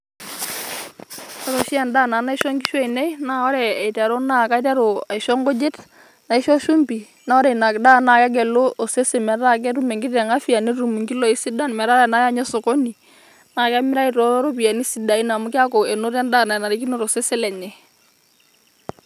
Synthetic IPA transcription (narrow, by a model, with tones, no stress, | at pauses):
ɔ˦ɾo˨ʃi˦a˨nda˦˨na˨˦na˦i˦ʃɔ˦ŋɡi˦ʃɔ˦i˨nɛ˦na˦ɔ˦ɾɛ˨ɛ˨tɛ˨ɾo˦na˦˨ka˦i˦tɛ˦ɾo˨a˨i˨ʃɔ˦ŋɡo˦d͡ʒe˦t | na˨i˦ʃɔ˦ʃu˦mbi˨ | na˦ɔ˦ɾɛ˨i˨na˨kda˦na˨kɛ˦ɡɛ˨loː˦˨se˦se˨mɛ˨ta˦k̬ɛ˦tu˦mɛ˨ŋɡi˦tɛ˨ŋa˦fi˨a˨ni˦tu˨mu˨ŋɡi˦lɔ˦i˦si˦da˦nmɛ˨ɾa˦ɾɛ˨na˨˦ja˦ɲɛ˦so˨kɔ˦ni˨ | na˨ka˦mɪ˦ɾa˦i˦tɔ˨˦ɾɔ˦ɾo˦pi˨a˨ni˦si˨da˨i˦na˨mu˦kɪ˦a˦kɔ˨ɛ˨no˦ɾɛ˦nda˦˨na˨na˨ɾi˦k̬i˦no˦ɾo˨se˦se˦lɛ˨ɲɛ˨